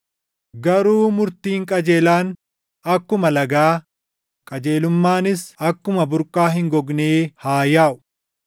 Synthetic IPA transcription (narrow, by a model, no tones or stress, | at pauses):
ɡɐɾuːmʊɾt̪iːŋkʼɐd͡ʒeːlaːn | ɐkːʊmɐlɐɡaː | kʼɐd͡ʒeːlʊmːaːnɪsɐkːʊmɐbʊɾkʼːaːɦɪŋɡɔɡneːhaːjaːʔʊ̥